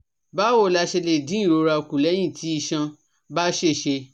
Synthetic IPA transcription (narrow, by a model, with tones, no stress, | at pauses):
ba˦wo˦˨la˧ʃe˧le˧˨dĩ˦i˦˨ɾo˧ɾa˧˨ku˨lɛ˨˦j̃ĩ˦˨tʰi˨˦i˧ʃã˧ | ba˦ʃe˦˨ʃe˧